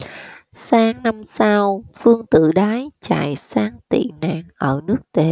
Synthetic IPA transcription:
saː˨˦ŋna˧msa˧wfɨ˧əŋt̪ɨ̰˧˨ɗaː˨˦jt͡ɕa̰ː˧˨˩jsaː˨˦ŋt̪ḭ˧˨na̰ː˧˩ŋʔəː˧˩nɨ˦˥ək̚t̪e˨˦

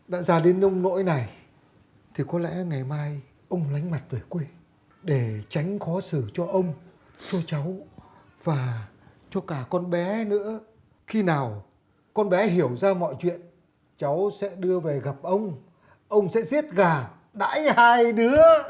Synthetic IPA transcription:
ɗa̰ː˧˥zaː˧˩ɗe˨˦nə˧wŋ͡mno̰˧˥jna˨˩j | t̪ʰi˨˩kɔ˨˦lɛ̰˧˥ŋa˨˩jmaː˧j | ʔə˧wŋ͡mla˨˦jŋ̟ma˨˩t̚ve˨˩kwe˧ | ɗe˧˩t͡ɕa˨˦jŋ̟xɔ˨˦sɨ˧˩t͡ɕɔ˧ʔə˧wŋ͡m | t͡ɕɔ˧t͡ɕa˨˦w | v̥aː˨˩ | t͡ɕɔ˧kaː˧˩kɔ˧nɓɛ˨˦nɨ̰˧˥ə | xi˧naː˨˩w | kɔ˧nɓɛ˨˦ɦi˧˩əwzaː˧mɔ̰˧˨jt͡ɕwḭ˧˨ən | t͡ɕa˨˦wsɛ̰˧˥ɗɨ˧əve˨˩ɣa˨˩p̚ʔə˧wŋ͡m | ʔə˧wŋ͡msɛ̰˧˥zi˦˥ət̚ɣaː˨˩ | ɗa̰ː˧˥jhaː˧jɗɨ˨˦ə

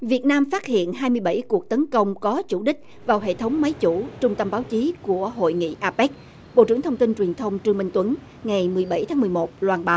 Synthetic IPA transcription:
vi˨˩ət̚naː˧mfa˦˥t̚hḭ˧˨ənɦaː˧jmɨ˧əjɓa˧˩jku˨˩ək̚t̪ə˨˦nkə˧wŋ͡mkɔ˨˦t͡ɕu˧˩ɗï˦˥k̟̚ | vaː˨˩wɦḛ˧˨t̪ʰə˨˦wŋ͡mma˨˦jt͡ɕu˧˩t͡ɕʊ˧ŋ͡mt̪ə˧mɓaː˨˦wt͡ɕi˨˦ku˧˩əɦo̰˧˨jŋḭ˧˨ʔaː˧pɛ˦˥k̚ | ɓo̰˧˨ʔt͡ɕɨ˧˩əŋt̪ʰə˧wŋ͡mt̪i˧nt͡ɕwi˨˩nt̪ʰə˧wŋ͡mt͡ɕɨ˧ŋmï˧ŋt̪wə˨˦n | ŋa˨˩jmɨ˨˩əjɓa˧˩jt̪ʰaː˨˦ŋmɨ˨˩əjmo˨˩t̚lwaː˧˩nɓaː˨˦w

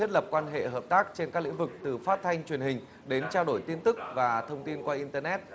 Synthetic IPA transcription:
i˦˥t̚lə˨˩p̚kwaː˧nɦḛ˧˨ɦəː˨˩p̚t̪aː˦˥k̚t͡ɕe˧nkaː˦˥k̚l̰ḭ˧˥ŋ̟vɨ˨˩k̚t̪ɨ˨˩faː˦˥t̚t̪ʰa˧jŋ̟t͡ɕwi˨˩ənhï˨˩ŋ̟ | ɗe˨˦nt͡ɕaː˧ɗo˧˩jt̪i˧ənt̪ɨ˦˥k̚vaː˨˩t̪ʰə˧wŋ͡mt̪i˧nkwaː˧ʔi˧nt̪əː˧nɛ˦˥t̚

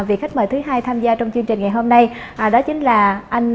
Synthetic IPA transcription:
vi˨˩kxa˦˥k̟̚məː˧˩t̪ɨ˨˦ɦaː˧jt̪ʰaː˧mzaː˧t͡ɕɔ˧wŋ͡mt͡ɕwəŋt͡ɕï˨˩ŋ̟ŋa˨˩jɦo˧mna˧jʔɗɔ˨˦t͡ɕï˨˦ŋ̟laː˨˩ʔa˧jŋ̟

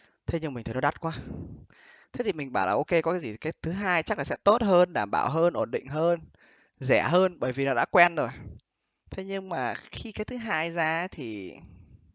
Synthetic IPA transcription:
t̪ʰe˨˦ɲɨ˧ŋm˨˩ŋʰ˨˩nɔ˨˦a˦˥t̚kwaː˨˦ | t̪ʰe˨˦t̪i˨˩mï̟˨˩ɓaː˧˩wlaː˨ʔo˧ke˧kɔ˨˦kaː˨˦jzi˨˩kaː˨˦jt̪ʰɨ˨˦ɦaː˧jt͡ɕa˦˥klaː˨˩sɛ̰˧˥t̪o˦˥t̚həː˧nɗaː˧˩mɓa̰ː˧˩wɦəː˧nʔo˧˩nɗḭ̈˧˨ŋ̟ɦəː˧n | zɛ˧˩ɦəː˧nɓəː˧˩jvi˨˩nɔ˨˦ɗa̰ː˧˥kwɛ˧nzo˨˩j | t̪ʰe˨˦ɲɨ˧ŋmaː˨˩xi˧kaː˨˦jt̪ʰɨ˨˦ɦaː˧jzaː˧˦t̪ʰi˨˩

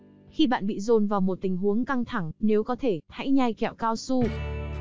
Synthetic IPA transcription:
xi˧ɓa̰ː˧˨nɓḭ˧˨zo˨˩nvaː˨˩wmo˨˩t̚t̪ï˨˩ŋ̟ɦu˨˦əŋka˧ŋt̪ʰa˧˩ŋne˨˦wkɔ˨˦t̪ʰe˧˩t̪ʰa̰˧˥jɲa˧jkɛ̰˧˩˨wkaː˧wsu˧

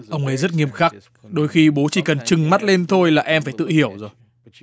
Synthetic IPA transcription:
ʔə˧wŋ͡mʔə˨˦jzə˦˥t̚ŋi˧əmxaː˦˥k̚ | ɗo˧jxi˧ɓo˨˦t͡ɕi˧˩kə˨˩nt͡ɕɨ˨˩ŋma˦˥t̚le˧nt̪ʰo˧jlaː˨˩ʔɛ˧mfaː˧˩jt̪ɨ̰˧˨hi˧˩əwzo˨˩j

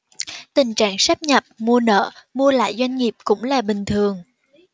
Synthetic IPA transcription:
t̪ï˨˩ŋ̟t͡ɕa̰ː˧˨ŋsa˦˥p̚ɲə˨˩p̚mu˧ənə̰ː˧˨mu˧əla̰ː˧˨jzwa˧jŋ̟ŋi˨˩əp̚kʊ̰˧˥ŋ͡mlaː˨˩ɓï˨˩ŋ̟t̪ʰɨ˨˩əŋ

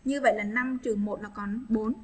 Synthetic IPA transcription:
ɲɨ˧və̰˧˨jlaː˨˩na˧mt͡ɕɨ˨˩əŋmo˨˩t̚nɔ˨˦kɔ˨˦nɓo˨˦n

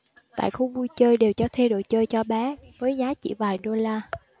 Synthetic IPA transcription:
t̪a̰ː˧˨jxu˧ɓu˧jt͡ɕəː˧jɗe˨˩wt͡ɕɔ˧t̪ʰe˧ɗo̰˧˨jt͡ɕəː˧jt͡ɕɔ˧ɓɛ˨˦vəː˨˦jzaː˨˦t͡ɕḭ˧˩vaː˨˩jɗo˧laː˧

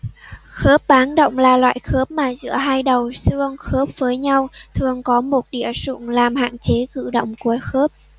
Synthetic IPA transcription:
xəː˦˥p̚ɓaː˨˦nɗə̰˧˨wŋ͡mlaː˨˩lwa̰ː˧˨jxəː˦˥p̚maː˨˩zɨ̰˧˥əɦaː˧jɗə˨˩wsɨ˧əŋxəː˦˥p̚vəː˨˦jɲa˧wt̪ʰɨ˨˩əŋkɔ˨˦mo˨˩t̚ɗḭ˧˨əsṵ˧˨ŋlaː˨˩mha̰ː˧˨nt͡ɕe˨˦kɨ̰˧˨ɗo̰˧˨wŋ͡mku˧˩əxəː˦˥p̚

